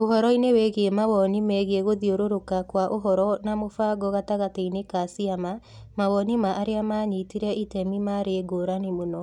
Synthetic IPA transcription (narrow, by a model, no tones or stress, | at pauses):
oɦɔɾɔinewɛɣeemawɔnimɛɣeeɣoðioɾoɾokakwaʔoɦɔɾɔnamofaːɡɔɣataɣateinekasiama | mawɔnimaʔaɾeamaːɲitiɾɛʔitɛmimaɾeːɡoːɾanemonɔ